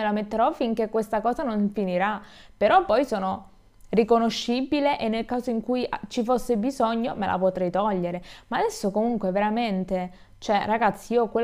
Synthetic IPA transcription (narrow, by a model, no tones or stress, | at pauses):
elamet̪ːeɾɔfiŋk̟ekːwest̪akɔːzanoɱfiniɾapeɾɔpːɔjsoːno | rikonoʃːibileʔenːelkaːzoiŋkujat͡ʃifosːebizoɲːomḛlʔa̰pot̪ɾɛjt̪ɔʎːeɾemaːd̪ɛsːokomuŋkweveɾament̪e | t͡ʃoɛraɡat̪sːiiːokwe